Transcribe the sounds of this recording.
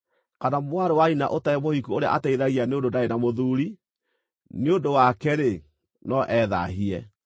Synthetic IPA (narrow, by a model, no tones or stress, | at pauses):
kanamwaɾowaina̰ʔotaɛmohikuoɾea̰ʔataiðaɣianeondodaenamoðuɾi | neondowakɛɾe | nɔʔɛða̰ɦiɛ